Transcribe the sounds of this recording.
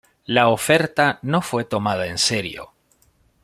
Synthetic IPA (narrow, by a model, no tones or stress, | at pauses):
laofe̞ɾt̪ano̞fwe̞t̪o̞mað̞ae̞nse̞ɾjo̞̰